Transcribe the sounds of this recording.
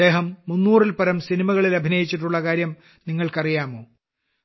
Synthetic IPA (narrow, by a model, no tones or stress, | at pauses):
e̞ːɦɐmːunːuːrilpɐɾɐmsinimɐɣɐɭilɐbʱinɐjit͡ɕːiʈːuɭːɐkaːɾjɐm | niŋːɐɭkɐrijaːmoː